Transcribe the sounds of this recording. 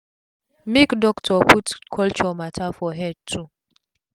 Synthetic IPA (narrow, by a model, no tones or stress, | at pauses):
mekdɔktʰɔputkʰɔlt͡ʃɔmatʰafɔɦɛd̚tʰu